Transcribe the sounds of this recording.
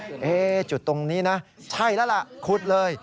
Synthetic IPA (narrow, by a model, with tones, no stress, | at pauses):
ʔeː˧˩t͡ɕu˨˩t̪ːo˧ŋniː˦˥na˦˥ | t͡ɕʰa˥˩jlɛː˦˥la˨˩ʔkʰu˨˩t̪̚lɤː˧j